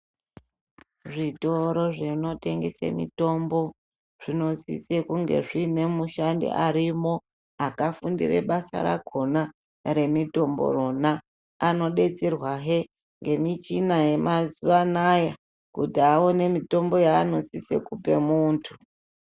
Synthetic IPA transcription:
ʐito̞ɾo̞ʐeno̞te̞ŋɡe̞sḛmḭto̞mbo̞ | ʐ̥ino̞zḭsekuŋɡe̞̰ʐine̞muʃandḛʔaɾimo̞ | akafundḭrḛɓasa̰ɾa̰ɡʱo̞na | ɾe̞mito̞mbo̞̰ro̞naː | no̞ɗe̞t͡serwaɦe | ŋɡe̞mit͡ʃinaje̞maziʋanaja | kutiawone̞mito̞mbo̞jaːno̞sisḛkupe̞muːntʰu

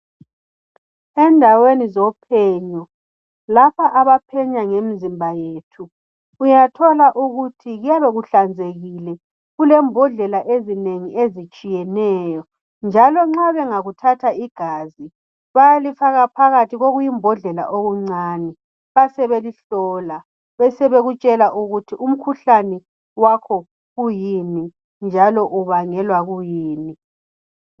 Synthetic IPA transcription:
ɛndʱawenizɔpʰɛɲɔ | lapʰaʔaβapʰɛɲaŋem̩zimbʱajeːtʰuː | jatʰɔlaʔuɣutʰiɣujaβeɣuɬand͡zʱeɣilɛ | ɣulɛmbʱɔɮɛlaʔezineŋiʔezit͡ʃʼijɛnɛːjɔ | nd͡ʒʱalɔŋ͡ǁaβɛŋaɣutʰatʰaiɡ̥ʱaːzi | βajalifaɣapʰaɣatʰiɣoɣujimbʱɔɮɛla̰ʔoɣuŋ͡ǀaːnɛ | βasɛβeliɬɔːla | βɛsɛβeɣut͡ʃʼɛlaʔuɣutʰiʔum̩kʰuɬanɛ | wakʰɔ | ɣujini | nd͡ʒʱalɔʔuβaŋɛlwaɣujiːni

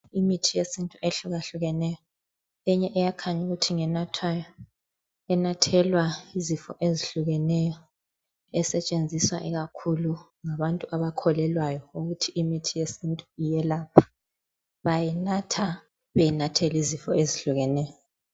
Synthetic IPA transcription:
imitʰijesintʼuʔeɬuɣaɬuɣɛnɛjɔ | ɛɲɛʔɛjakʰaɲuɣutʰiŋɛnatʰajɔ | ɛnatʰɛlwaizifɔ̰ʔeziɬuɣɛnɛjɔ | ɛsɛt͡ʃʼend͡zʱiswaʔɛɣakʰulu | ŋaβantʼuʔaβakʰɔlɛlwajɔuɣutʰiimitʰijesintʼuijɛlapʰḁ | βajɛnatʰa | βejinatʰɛlizifɔeziɬuɣɛnɛjɔ

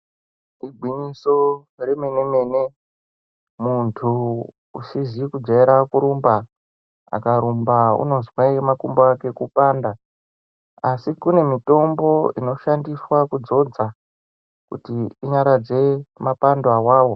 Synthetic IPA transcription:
iɡʱwiɲiso̞ | remeneme̞ne | muntʰu | usizikud͡zaeɾakuɾumba | a̰kaɾumbaṵno̞zwamakumboake̞kupaːnda | asikune̞mito̞mbo̞ino̞ʃandiswakud͡zo̞d͡za | kṵtiiɲaɾad͡ze̞mapandoawaːwo̞

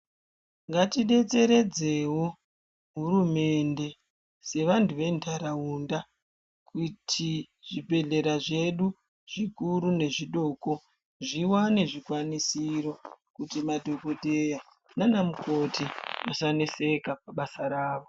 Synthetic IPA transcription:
ŋɡatiɗe̞t͡se̞ɾe̞d͡ze̞wo̞ | ɦuɾume̞nde̞ | se̞ʋanduʋe̞ndaɾaunda | kʰutʰi | ʐ̥ibʱe̞ɮe̞ɾaʐe̞ɗu | ʐ̥ikuɾune̞ʐiɗo̞ːko̞ | ʐiwane̞ʐikwanisiɾo̞kutimadʱo̞ko̞dʱeja | nanamuko̞timasanese̞kap̚aɓasaɾaːʋo

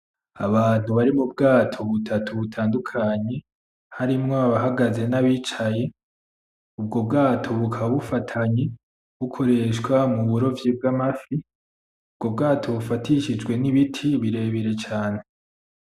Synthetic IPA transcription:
a̰βaːn̥uβaɾimub̚ɡaːtʰo̞βutʰatʰuβutʰaːndukʰaɲe̞ | haɾimŋoaβaɦaɡaze̞naβiːt͡ʃaje̞ | ubɡo̞b̚ɡaːtʰo̞βukʰaβufatʰaɲe | βukʰo̞ɾe̞ːʃkwamuβuɾo̞vjib̚ɡamafi | ubɡo̞b̚ɡaːtʰo̞βufatʰiʃid͡ʒɡwe̞niβitʰiβiɾe̞ːβiɾe̞t͡ʃaːne̞

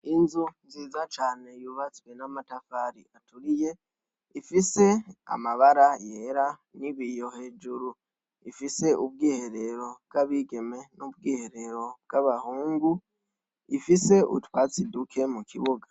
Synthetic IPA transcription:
inzunziːzat͡ʃaːne̞juːβat͡swe̞namatafaɾḭatuɾije̞ | ifise̞a̰maβaɾaje̞ɾaniβijo̞he̞ːd͡ʒuɾu | ifise̞ʔub̚ɡiːhe̞ɾe̞ɾo̞b̚ɡaβiɡe̞me̞nubɡiːhe̞ɾe̞ɾo̞b̚ɡ̥aβahuːŋɡu | ifise̞ʔṵtwat͡sidukʰe̞mukʰiβuɡa

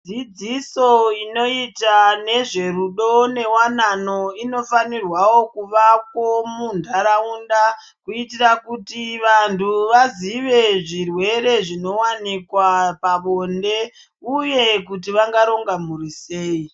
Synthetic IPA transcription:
d͡zid͡ziso̞ino̞itane̞ʐe̞ruɗo̞ne̞wananoino̞fanirwawo̞kuʋak̚womundʱaɾaunda | kuitirakutiʋantʰuʋaziʋe̞ʐirwe̞ɾe̞ʐino̞wanikwapaɓonde̞ | uje̞kutiʋaŋɡaɾo̞ŋɡamuɾise̞ːi

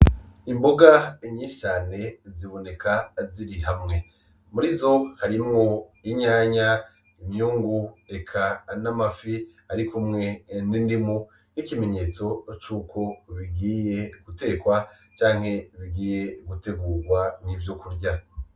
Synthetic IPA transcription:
imbo̞ɡaɲiːʃi̥t͡ʃaːne̞ziβo̞ne̞kʰaziɾiɦamŋe̞ | muɾizo̞haɾimŋoiɲaːɲa | imɲuːŋɡuekʰanamafihaɾikumŋe̞nindimu | nikime̞ɲe̞ːt͡so̞t͡ʃuːkʰo̞βiɡiːje̞ɡ̥ute̞ːkwa | t͡ʃaːŋ̥he̞βiɡiːje̞ɡute̞ɡuːɾɡwan̥ivjo̞kuɾɟa

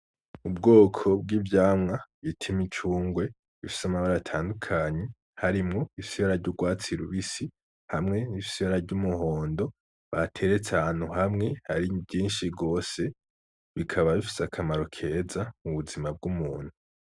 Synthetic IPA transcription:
ubɡo̞ːkʰo̞b̚ɡiːvjaːmŋaβitʰimit͡ʃuːŋɡwe̞ | βifi̥samaβaɾaatʰaːndukʰaːɲe̞ | haɾimŋo̞isiaɾaɾɟuɡwaːt͡siɾuβisi | hamŋe̞niisiaɾaɾɟumuho̞ːndo̞ | βa̰tʰe̞ɾet͡sehaːn̥huɦamŋe̞haɾibɟiːnʃiɡo̞ːse̞ | βikʰaβaβifi̥sakʰamaɾo̞kʰe̞zamuβuzimab̚ɡumuːn̥hu

